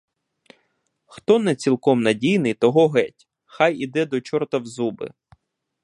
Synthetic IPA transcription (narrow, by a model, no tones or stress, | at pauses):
xt̪ɔnɛt͡sʲilˠkɔmnɐdʲijnɪjt̪ɔɦɔɦɛtʲ | xɑjid̪ɛd̪ɔt͡ʃɔrt̪ɐwzubɪ̰